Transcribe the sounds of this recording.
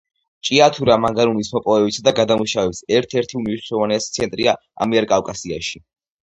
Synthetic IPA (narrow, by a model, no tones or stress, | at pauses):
t͡ʃʼiat̪ʰuɾamaŋɡaɾunismɔpʼɔvɛbisad̪aɡad̪amuʃavɛbsɛɾt̪ʰɛɾt̪ʰiumiʃnɛɾɔvanɛst̪sʰɛnt̪ʼɾia | a̰miɛɾkʼawkʼasia̰ʃi